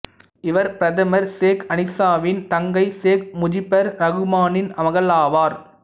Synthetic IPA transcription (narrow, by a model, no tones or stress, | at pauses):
ɪʋɐɾpɪɾɐðɐmɐɾseːkɐnɪsaːʋɪnt̪ɐŋɡɐɪseːk̚mʊd͡ʒɪpːɐɾɾɐɣɯmaːnɪnɐmɐɣɐlaːʋaːɾ